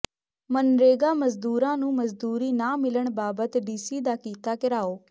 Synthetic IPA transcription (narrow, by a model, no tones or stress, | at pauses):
mənɾeːɡaːməzd̪uːɾãːnũːməzd̪uːɾiːnãːmɪləɳbaːbət̪ɖiːsiːd̪aːkiːt̪aːkɪɾaːoː